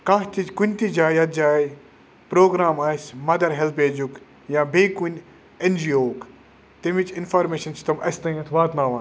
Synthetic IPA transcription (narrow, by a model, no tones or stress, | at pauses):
kaɦt̪ikunʲt̪id͡ʒaːjɐt̪̚d͡ʒaːj | pɾoːɡɾaːmaːsʲmɐd̪ɐɾɦelpeːd͡ʒuk | jãːbeːkunʲ | end͡ʒiːoːk | t̪imʋit͡ʃinfaːɾmeːʃɐnsʰi̥t̪ɐmɐst̪ɐĩɐt̪ʰʋaːt̪naːʋaːn